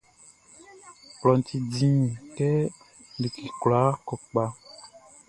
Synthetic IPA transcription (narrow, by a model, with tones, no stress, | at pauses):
plɔ˨n˨ti˨dĩ˦˨kɛ˦ | li˨ki˨kwla˨˦kɔ˨k͡pa˦